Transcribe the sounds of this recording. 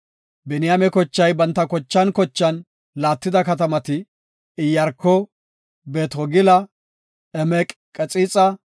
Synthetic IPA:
bɛnɪjamɛkɔt͡ʃːɐjbɐnt̪ːɐkɔt͡ʃːɐnkɔt͡ʃːɐn | laːt̪ːɪd̪ɐkɐt̪ɐmɐt̪ɪ | ɪjːɐɾkːɔ | beːt̪ɔɡɪlɐ | ɛmɛkʼkʼɛt͡sʼit͡sʼɐ

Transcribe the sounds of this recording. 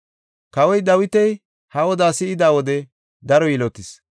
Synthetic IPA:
kɐwɔjd̪ɐwɪt̪ɛj | hɐwɔd̪aːsɪɪd̪aːwɔd̪ɛ | d̪ɐɾɔjɪlɔt̪ːɪs

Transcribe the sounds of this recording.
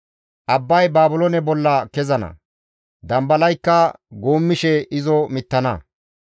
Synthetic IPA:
ʔɐbːɐjbaːbʊlonɛbɔlːɐkɛzɐnɐ̰ | d̪ɐmbɐlɐjkːɐɡoːmːɪʃɛɪzɔmɪt̪ːɐnɐ

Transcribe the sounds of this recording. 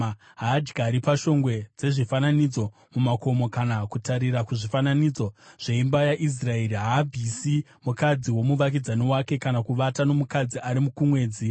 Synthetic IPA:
ɦaːd͡ʒɡaɾipaʃo̞ŋɡwe̞d͡ze̞ʐifananid͡zo̞ | mumako̞mo̞kanakutaɾiɾakuʐifananid͡zo̞ʐ̥e̞imbajaʔis̬rae̞ɾiɦaːbʱisi | mukad͡ziwo̞muʋak̬id͡zaniwake̞kanakuʋatano̞mukad͡ziʔaɾimukumwe̞ːd͡zi

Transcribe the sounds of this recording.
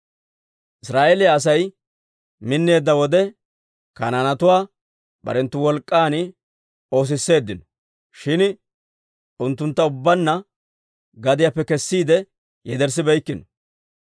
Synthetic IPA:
ʔɪsɾaːʔeːlɪjaːs̬ɐj | mɪnːe̞ːd̪ːɐwɔd̪ɛ | kɐ̰nanɐt̪ʊwaː | bɐ̰ɾɛnt̪ːʊwɔlkʼːaːnɪ | o̞ːs̬ɪsːe̞ːd̪ːɪnɔ | ʃɪn | ʊnt̪ːʊnt̪ːɐʊbːɐnːɐ | ɡɐd̪ɪjapːɛkɛsːiːd̪ɛ | jɛd̪ɛɾs̬ːɪbɛjkːɪnɔ

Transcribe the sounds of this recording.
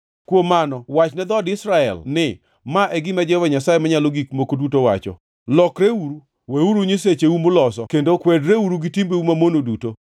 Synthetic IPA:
kwomanɔwat͡ʃnɛd̪ɔdɪsɾaɛ̰lnɪ | maʔɛɡɪmad͡ʒɛvaɲasajemaɲaloɡikmokodutowat͡ʃɔ̰ | lɔkɾeuɾu | weuɾuɲiset͡ʃeumʊlɔsɔkendokwedɾeuɾuɡɪtimbeumamonoduto

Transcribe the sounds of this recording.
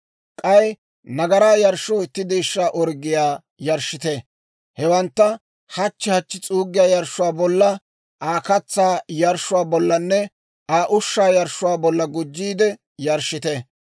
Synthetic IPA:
kʼɐj | nɐɡɐɾaːjɐɾʃɔɪt̪ːɪd̪ɛjʃːaːʔɔɾɡɪjaː | jɐɾʃːɪt̪ɛ | hɛwɐnt̪ːɐ | hɐt͡ʃːɪhɐt͡ʃːɪt͡sʼuːɡɪjaːjɐɾʃʊwaːbɔlːɐ | ʔaːkɐt͡sːaːjɐɾʃʊwaːbɔlːɐnːɛ | ʔaːʔʊʃːaːjɐɾʃʊwaːbɔlːɐɡʊd͡ʒːiːd̪ɛ | jɐɾʃːɪt̪ɛ

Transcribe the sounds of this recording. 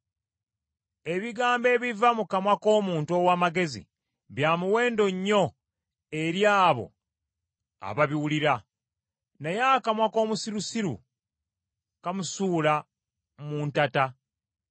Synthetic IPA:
e̞βiɡaːmbe̞ːβivamukamwako̞ːmuːntuo̞ːwaːmaɡe̞zḭ | βjaːmuwe̞ːndo̞ɲːo̞ | e̞ɾjaːβo̞̰ | a̰βaβiwuliɾa | nejakamwako̞ːmusiɾusiɾṵ | kamusuːla | muːntata

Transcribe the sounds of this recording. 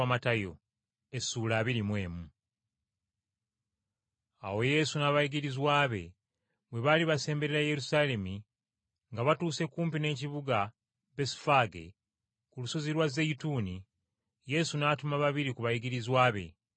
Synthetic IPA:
amatajo̞ | esuːlaːβiɾimwe̞ːmu | a̰wo̞je̞sunaβajiɡiɾizwaːβe̞ | βwe̞βaliβase̞ːmbe̞ɾeɾaje̞ɾusale̞mi | ŋɡaβatuːse̞kuːmpine̞ːciβuɡa | be̞sfaɡe̞̰ | kuluso̞ziɾwazejituːni | je̞sunaːtumaβaβiɾikuβajiɡiɾizwaːβe̞̰

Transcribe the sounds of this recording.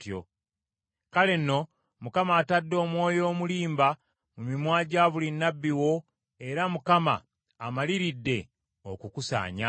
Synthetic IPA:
tjo̰ | kale̞nːo̞ | mukamaːtadːo̞ːmwo̞ːjo̞ːmuliːmba | mumimwaːɟaːβulinːabːiwo̞ | e̞ɾamukama̰ː | maliɾidːe̞ | o̰kukusa̰ːɲa

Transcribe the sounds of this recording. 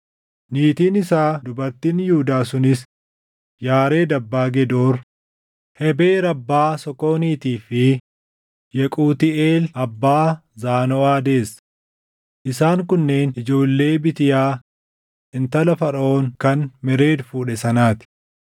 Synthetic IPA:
niːt̪iːnɪsaːd̪ʊbɐɾt̪iːnjʊʊd̪aːsʊnɪs | jaːɾe̞ːd̪ɐbːaːɡɛd̪oːɾ | hɛbe̞ːɾɐbːaːsɔkːo̞ːniːt̪iːfɪ | jɛkʼuːt̪ɪeːlɐbːaːzaːnoːaːd̪e̞ːs | ʔɪsaːŋkʊnːe̞ːnɪd͡ʒo̞ːlːe̞ːbɪt̪ɪjaː | ɪnt̪ɐlɐfɐɾo̞ːŋkɐnmɛɾe̞ːd̪fuːᶑɛsɐnaːt̪ɪ̥

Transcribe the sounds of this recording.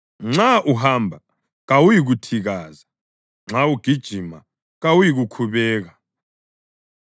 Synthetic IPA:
ŋ͡ǁaʔuɦaːmbʱa | ɣawujik̬utʰiɣ̬aːza | ŋ͡ǁawuɡ̥ʱid̥ʒ̥ʱima | ɣawujik̬ukʰuɓɛːk̬a

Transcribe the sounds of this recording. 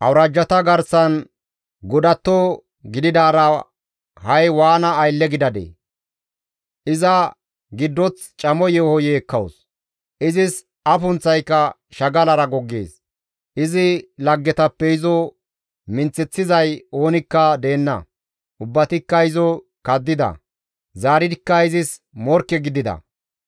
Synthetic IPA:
ʔɐwɾɐd͡ʒːɐt̪ɐɡɐɾsɐn | ɡɔd̪ɐt̪ːɔ | ɡɪd̪ɪd̪aːɾɐ | hɐjwaːnɐːjlːɛɡɪd̪ɐd̪ḛː | ʔɪzɐ | ɡɪd̪ːɔt͡s | t͡ʃʼɐmɔjɛhɔjeːkːɐws | ʔɪzɪs | ʔɐfʊnt͡sːɐjkːɐ | ʃɐɡɐlɐɾɐɡɔɡːḛːs | ʔɪzɪlɐɡːɛt̪ɐpːɛɪzɔ | mɪnt͡sːɛt͡sːɪzɐjo̞ːnɪkːɐd̪e̞ːnːɐ̰ | ʔʊbːɐt̪ɪkːɐɪzɔ | kɐd̪ːɪd̪ɐ̰ | zaːɾɪd̪ɪkːɐɪzɪsmɔɾkːɛɡɪd̪ɪd̪ɐ̰

